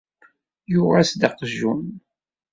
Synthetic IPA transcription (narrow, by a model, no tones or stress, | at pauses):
jʊʁasd̪ɑqʒun